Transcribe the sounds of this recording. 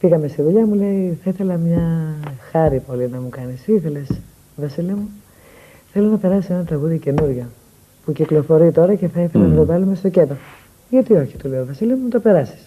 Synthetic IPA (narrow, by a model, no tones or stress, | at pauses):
fiɣɐme̞st̪iðuʎɐmule̞iθɐiθe̞lɐmɲɐxɐɾipo̞linɐmukɐnisiθe̞les | vɐsiliɐmu | θe̞lo̞nɐpe̞ɾɐsisenɐt̪ɾɐɣuðice̞nuɾʝɐ | puciklo̞fo̞ɾit̪o̞ɾɐce̞θɐiθelɐnɐt̪ovɐlume̞st̪o̞ce̞d̪o | ʝɐt̪io̞çi̥t̪uleovɐsiliɐmumt̪ope̞ɾɐsi̥s